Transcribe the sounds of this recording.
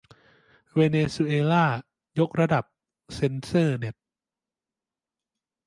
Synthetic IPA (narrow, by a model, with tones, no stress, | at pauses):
weː˧neː˧su˧ʔeː˧laː˥˩ | jo˦˥k̚ɾa˧da˨˩p̚ | se˧˥nsɤː˥˩ne˦˥t̪̚